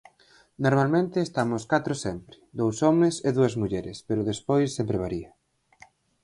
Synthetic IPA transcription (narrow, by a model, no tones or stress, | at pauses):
noɾmalmẽnt̪ɪːst̪amʊskat̪ɾosɛmpɾɪ̥d̪owsɔmeseðuɐzmuʎɛɾɪspeɾʊðespojsːempɾeβaɾiɐ